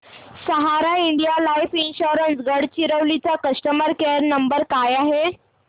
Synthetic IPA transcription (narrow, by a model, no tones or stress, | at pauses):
səɦaɾaiɳɖijalajfinɕuɾənsɡəɽt͡ɕiɾəʋlit͡sakəsʈəməɾkeɾnəmbəɾkajaɦe